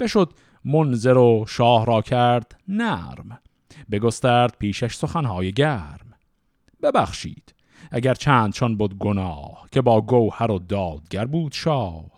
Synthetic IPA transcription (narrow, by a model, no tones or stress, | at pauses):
b̥e̞ʃod̪ | monzeɾoʃɒːhɾɒːcʰæɾd̪̥næɾm | be̞ɡost̪æːɾd̪̥̚pʰiːʃæʃso̞xænhɒːjeɟæɾm | bebæxʃḭːd̪̥ | æɡæɾt͡ʃʰæːnd̪̚t͡ʃʰɒnbod̪ɡonɒːhkʲʰe̞bɒːɡowhæɾod̪ɒːd̪̚ɡʲæɾbuːd̪̥ʃɒːh